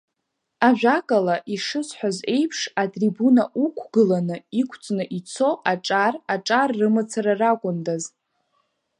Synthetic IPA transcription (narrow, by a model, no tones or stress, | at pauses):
aʒᶣakʼalaʔiʂɨsħʷᶣaze̞jpʰʂatʼribunaʔukʷʰɡɨlanɨikʷʰt͡sʼnɨʔit͡sʰo̞ʔaʈ͡ʂʼaraʈ͡ʂʼarːɨmɨt͡sʰaɾarakʷʼʊndaz